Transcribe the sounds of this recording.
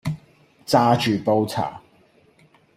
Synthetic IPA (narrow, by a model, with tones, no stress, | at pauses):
t͡saː˥t͡ʃyː˨˩po˥wt͡sʰa̰ː˨˩